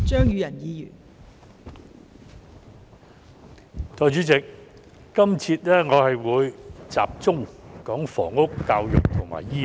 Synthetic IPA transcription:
t͡ʃœː˥ŋjyː˨˧jɐ˨˩njiː˨˧jy̰ː˨˩n | t̪ɔː˨jt͡ʃyː˨˥t͡sɪ˨k̚ː | ɐ˥mt͡sʰiː˧t̚lɛː˥ŋɔː˨˧hɐ˨jwuː˨˧jt͡sa̰ː˨p̚t͡sʊ˥ŋkɔː˨˥ŋfɔː˨˩ŋʊ˥kːaː˧wjʊ̰˨k̚t̪ʰʊ˨˩ŋma̰ː˨˩jjiː˥

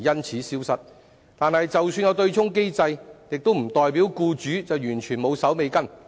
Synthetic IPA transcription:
jɐ˥nt͡sʰiː˨˥siː˥wsɐ˥t̚ | t̪aː˨nhɐ˨jt͡sɐ˨wsyː˧njɐ˨˧wt̪ɵ˧ɥt͡sʰʊ˥ŋke˥jt͡sɐ˧jjɪ˨k̚t̪o˥wm̩˨˩t̪ɔː˨jpiː˨˥wkuː˧t͡ʃyː˨˥t͡sɐ˨wjyː˨˩nt͡ʃʰyː˨˩nmo˨˧wsɐ˨˥wme˨˧jkɐ˥n

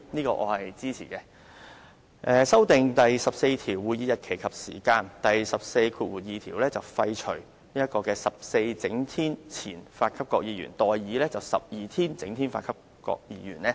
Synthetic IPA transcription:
niː˥kɔ̰ː˧ʔɔ̰ː˨˧hɐ˨jt͡siː˥t͡sʰiː˨˩kɛː˧ | ʔɛː˨sɐ˥wt̪ɪ˨ŋt̪ɐ˨jsɐ˨p̚se˧jt̪ʰiː˨˩wːuː˨˧jiː˨˧jɐ˨t̚kʰe˨˩jkʰɐ˨p̚siː˨˩kaː˧nt̪ɐ˨jsɐ˨p̚se˧jkʰuː˧t̚wuː˨˩t̚jiː˨˧t̪ʰiː˨˩wlɛː˥t͡sɐ˨wfɐ˧jt͡ʃʰɵ˨˩ɥ | niː˥ɐ˥t̚kɔː˧kɛː˧sɐ˨p̚se˧jt͡sɪ˨˥ŋt̪ʰiː˥nt͡sʰḭː˨˩nfaː˧t̚kʰɐ˥p̚kɔː˧k̚jiː˨˧jy̰ː˨˩nt̪ɔː˨jːiː˨˧lɛː˥t͡sɐ˨wsɐ̰˨p̚jiː˨˩t̪ʰiː˥nt͡sɪ˨˥ŋt̪ʰiː˥nfa̰ː˧t̚kʰɐ˥p̚ | kɔ̰ː˧k̚jiː˧jyː˨˩nɛː˥

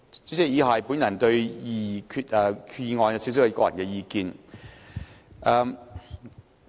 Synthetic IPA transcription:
ɛː˥˩jiː˨˧ɦaː˨˩˨jpuː˨˥njɐ˨˩nt̪ɵ˧ɥjiː˧˩kʰyː˧t̚ʔɛː˨kʰy˨˧jiː˧ŋɔː˧nɐ˧si˨˥s̬i˨˥wkɔː˧jɐ˨˩nkɛː˧jiː˧kiː˧n | ʔɛː˨˧m

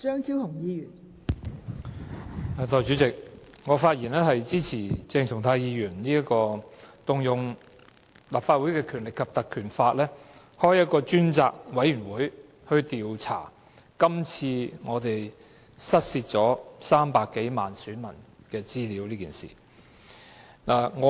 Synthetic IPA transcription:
t͡ʃœː˥ŋt͡sʰi˥wt̪ʰʊ˨˩ŋjiː˧jyː˨˩n | ɛ˨˩t̪ʰɔː˨˩jt͡ʃy˨˧˥t͡sɪ˨k̚ | ŋɔː˨˧faː˧t̚jiː˨˩nɛː˥ɦɐ˨jt͡siː˥t͡sʰiː˨˩t͡sɪ˧ŋt͡sʰʊ˨˩ŋt̪ʰaː˧jiː˧jyː˨˩nniː˥ɐ˥kɔː˧t̪ʊ˨ŋjʊ˨ŋ | laː˨p̚faː˧t̚wuː˨˥jkɛː˧kʰyː˨˩nlɪ˨kʰːɐ˨p̚t̪ɐ˨kʰyː˨˩nfaː˧t̚lɛː˥ | hɔː˥jɐ˥t̚kɔː˧t͡ʃyː˥nt͡sa̰ː˧k̚wɐ˨˥jyː˨˩nwuː˨˥j | hɵ˧ɥt̪iː˨wt͡sʰa̰ː˨˩ | kɐ˥mt͡sʰiː˧ŋɔː˨˧t̪e˨j | sɐ˥t̚siː˧t̚t͡sɔː˨˥saː˥mpaː˧kːe˨˥jmaː˨nsyː˨˥nmɐ˨˩nkɛː˧t͡siː˥liː˨˥wliː˥kiː˨nsḭ˨ | naː˨˩ŋɔ˨˧

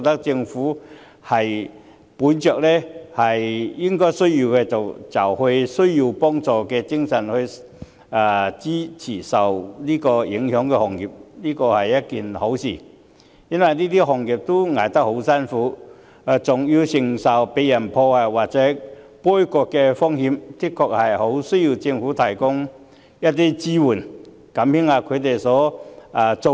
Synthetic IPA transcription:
t̪ɐ˥k̚t͡sɪ˧ŋfuː˨˥ | hɐ˨j | puː˨˥nt͡ʃœː˨k̚lɛː˥hɐ˨jjɪ˥ŋkɔː˥jsɵ˥ɥjiː˧wkɛ˧t͡sɐ˨wt͡sɐ˨˩whɵ˧ɥsɵ˥ɥji˧wpɔː˥ŋt͡sɔː˨kɛː˧t͡sɪ˥ŋsɐ˨˩nhɵ˧ | ʔaː˨˩t͡siː˥t͡sʰiː˨˩sɐ˨wniː˥kɔː˧jɪ˨˥ŋhœː˨˥ŋkɛ˧hɔː˨˩ŋjiː˨p̚niː˥kɔː˧hɐ˨˩jːɐ˥t̚kiː˨nho˨˥wsiː˨˩ | jɐ˥nwɐ˨jniː˥t̪iː˥ɦɔː˨˩ŋjiː˨˩p̚t̪o˥ŋaː˨jt̪ɐ˥k̚ho˨˥wsɐ˥nfuː˨˥˨ | t͡sʊ˨ŋji˧wsɪ˨˩ŋsɐ˨˩wpe˨˥jɐ˨˩npʰɔː˧a˧waː˨˩t̚t͡sɛː˨˥pɔ˥jkɔː˧kːɛ˧fɔ˥ŋhiː˧mkɪ˥t̚kʰːɔː˧˨k̚hɐ˨˩jho˨˥wsɵ˥ɥji˧wt͡sɪ˧ŋfuː˨˥t̪ʰɐ˨˩jkʊ˥ŋ | jɐ˥t̚t̪̬iː˥t͡siː˥wuː˨˩n | kɐ˨˥mhɪ˥ŋaː˧kʰɵ˨˧ɥt̪e˨jsɔː˨˥aː˨˩t͡so˨

